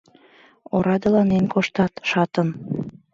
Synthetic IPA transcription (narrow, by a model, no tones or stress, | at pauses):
oɾɑd̪ə̆lɑnenkoʃt̪ɑt̪ʃɑt̪ən